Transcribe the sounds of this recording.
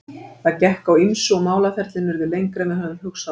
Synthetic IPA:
θaðcɛhkawimsʏɔmaːwlafɛɾt̪lɪnvɛɾðɪlejŋkɾɛmɛðɦœnʏmɦʏksa

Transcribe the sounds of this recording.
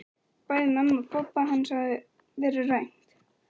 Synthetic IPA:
paːjðɪmamːapʰɔpːaɦanːsað | vɛːɾʏrejŋ̥t̪

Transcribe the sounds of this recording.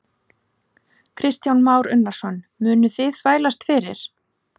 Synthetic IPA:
kʰɾɪst̪jawnmaːwɾʏnːaɾ̥sɔnmʏːnʏθɪðvaːjlast̪fɪːɾɪ̰ɾ̥

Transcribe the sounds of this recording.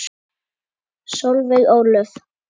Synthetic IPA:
sowlveɣawlœf

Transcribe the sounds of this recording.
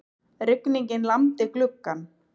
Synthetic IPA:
ɾɪkniɲcɪnlamt̪ɪklʏkːan

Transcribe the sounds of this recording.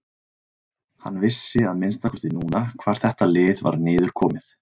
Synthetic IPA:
hanːvɪsːɪaðmɪnst̪akʰɔɾ̥t̪ɪnuːnakʰvaːɾ̥θɛht̪alɪːðva̰ɾnɪːðʏɾ̥kʰɔːmɪθ

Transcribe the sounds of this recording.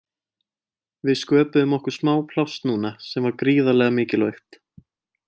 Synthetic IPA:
vɪðskœːpʏʏmɔhkʏɾ̥smaːwpʰlawst̪nuːnasɛmvaɾkɾiːðalɛɣamɪːcɪlœɥht̪

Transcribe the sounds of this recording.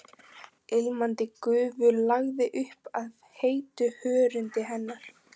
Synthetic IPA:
elmant̪ɪkʏːvʏlaɣðɪʔʏhpaðheːjt̪ʏhœːɾʏnt̪ɪɦɛnːaɾ̥

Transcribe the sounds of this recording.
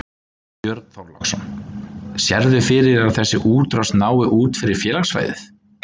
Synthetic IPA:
jœɾt̪n̥θawɾlɔksɔn | sjɛɾðʏfɪɾɪɾaðθɛsːɪʔuːt̪ɾast̪naːwɪʔuːt̪fɪɾɪɾ̥fjɛːlaxsva̰jðɪ̰θ

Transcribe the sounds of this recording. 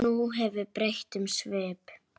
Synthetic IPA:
uɦɛvʏpɾejht̪ʏmsvɛːp

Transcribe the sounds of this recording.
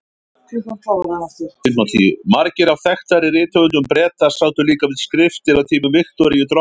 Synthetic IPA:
iat̪aɾaaɪɪnmat̪ʰimaɾcɪɾawθɛxt̪aɾɪrɪːt̪œvʏnt̪ʏmpɾɛːt̪asawt̪ʏliːkavɪðskɾɪft̪ɪɾaðt̪ʰiːmʏmvɪxt̪ɔɾɪjɪt̪ɾɔ

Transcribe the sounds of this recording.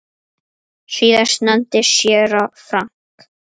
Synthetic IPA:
ʃiːðaʃnant̪ɪʃjɛɾɔfɾaŋk

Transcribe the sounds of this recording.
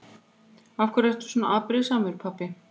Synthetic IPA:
afkʰvœɾɛht̪u̥sɔːna̰ʔaðpɾɪsaːmʏʏɾ̥pʰapːɪ

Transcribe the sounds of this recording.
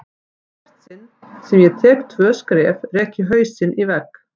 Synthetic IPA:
ɛr̥t̪sɪnː | sɛmjɛt̪ʰɛːkt̪ʰvœːskɾɛːvrɛːhcɪɦœːɥsɪnʔivɛkː

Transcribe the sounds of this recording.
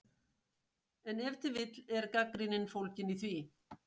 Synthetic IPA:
ɛnɛft̪ɪvɪt̪lɛɾkakɾɪnɪnfowlcɪniθvi

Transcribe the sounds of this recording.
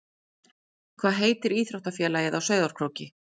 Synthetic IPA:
kʰv̥aːðɦeːjt̪ɪɾiːθɾawht̪afjɛːlaːjɪðawsœɥðaɾ̥kʰɾoːwcɪ

